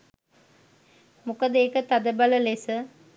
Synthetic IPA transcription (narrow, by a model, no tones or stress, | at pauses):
mukəd̪eːkət̪ad̪əbɐləlesə